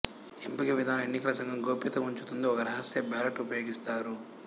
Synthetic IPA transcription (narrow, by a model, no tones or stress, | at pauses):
empikɐʋid̪ʱaːnɐenːikɐlɐsɐŋɡʱɐmɡoːpit̪ɐuɲt͡ʃut̪und̪iɔkɐɾɐɦɐsjɐbɛːlɐʈupɐjo̞ːɡist̪aːɾu